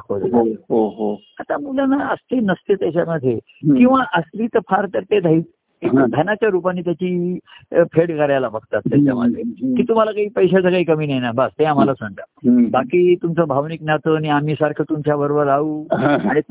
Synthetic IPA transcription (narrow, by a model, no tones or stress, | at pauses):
kod͡zɦoɦo | at̪amulanaəst̪enəst̪et̪jat͡ɕaməd̪ʱje | kĩw̃ʋaʔəsliːt̪əɾfʰaɾt̪əɾt̪ed̪ʱai | ãd̪ʱanat͡ɕjaɾupanːiːt̪jat͡ɕiː | pʰeɽkaɾjalabəɡ̚t̪at̪ːjat͡ɕaməd̪ʱjekiːt̪um̤alakaɦiːpəjɕat͡səkaikəmiːnajnabəst̪eam̤alasəɳʈ̪abakiːt̪umt͡səbʱaʋniknat̪əñiam̤iːsaɾkʰət̪umt͡ɕjabəɾobəɾauːɦaɽ̃i